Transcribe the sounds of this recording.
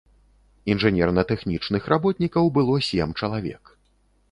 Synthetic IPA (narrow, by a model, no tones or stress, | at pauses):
inʐɨnʲɛrnɐt̪ɛxnʲit͡ʂnɨxrʔabɔt̪ʲnʲikɐwbɨlˠɔsʲɛmt͡ʂɐlˠavʲɛ̰k